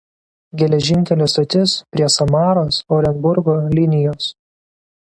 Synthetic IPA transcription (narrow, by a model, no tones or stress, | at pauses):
ɡʲɛlʲɛʒʲɪŋʲkʲɛlʲoːst̪ɐt̪ʲɪspʲɾʲiɛsɐmɑːɾoːsɔːɾʲɛnbʊɾɡoːlʲɪnʲɪjoːs